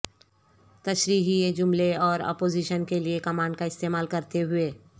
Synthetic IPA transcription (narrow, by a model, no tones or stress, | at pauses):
t̪ɐʃɾiːɦied͡ʒʊmleɔːɾɔ̰ːpoːziːʃənkeliekɐmãːɳɖkaɪst̪eːmaːlkɐɾt̪eɦʊeː